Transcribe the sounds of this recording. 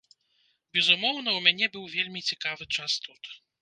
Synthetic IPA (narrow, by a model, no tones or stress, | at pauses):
bʲɛzumɔwnɐwmʲanʲɛbɨwvʲelʲmʲit͡sʲɛkavɨt͡ʂast̪ut̪